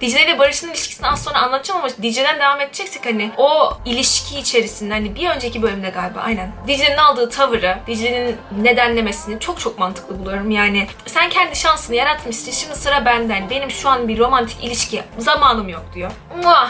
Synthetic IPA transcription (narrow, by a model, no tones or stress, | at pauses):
d̪̥id͡ʒlʲelʲɛbaɾɯʃɯnɯilʲiʃcʰi̥iniaso̞nɾaːnlˠat̪ʰɯd͡ʒamamad̪id͡ʒʲed̪ænd̪e̞vaːmet̪̚d͡ʒɛcsɛchanɪoilʲiʃcʰiːt͡ʃʰe̞ɾisind̪ɛhanibiø̞nd͡ʒeicʰibø̞lʲymind̪ɛɡalʲbɯa̰jnænd̪id͡ʒlʲeninalˠd̪ɯːt̪ʰavɯɾɯd̪̥id͡ʒlʲeninːe̞d̪ænlʲe̞mesinit͡ʃʰo̞k̚t͡ʃʰo̞k̚mant̪ʰɯklˠɯbulˠujo̞ɾumjaːnɪ | sæncʰɛnd̪iʃansɯnɯjaɾat̪ʰmɯʃiʃimd̪isɯɾabænd̪æɦanbenimʃuanbiɾo̞mant̪ʰi̥cḭlʲiʃcizamaːnɯmjo̞k̚d̪̥ijo | a